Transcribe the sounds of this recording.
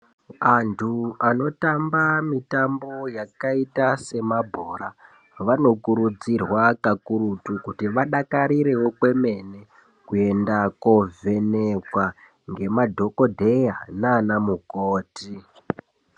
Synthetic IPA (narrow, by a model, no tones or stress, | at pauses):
antʰuano̞tambamitambo̞jakaitase̞mabʱoɾa | ʋano̞kuɾud͡zirwakakuɾutukutiʋaɗakaɾiɾe̞wo̞kwe̞me̞ne | kue̞ndakove̞nekwa | ŋɡe̞madʱo̞ko̞dʱe̞janaːnamukoːti